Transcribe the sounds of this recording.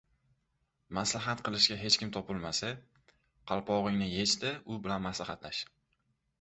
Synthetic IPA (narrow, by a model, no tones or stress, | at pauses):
maslaɦat̪qʰɨlɪʃkʲaɦe̞t͡ʃkʲɪmt̪ʰɒpɪlmasa | qʰɑlˠpʰɒʁɪŋnɪje̞t͡ʃt̪ɪʊbɪlanmaslahat̪laʃ